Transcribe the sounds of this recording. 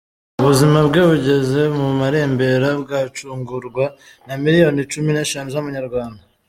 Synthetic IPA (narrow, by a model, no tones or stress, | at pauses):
uβuzimabɡeβuɟe̞ze̞mumaɾe̞ːmbe̞ɾabɡat͡ʃuːŋɡuɾɡwa | namiɾijo̞nit͡ʃumineʃanuzamuɲaɾɡwaːnda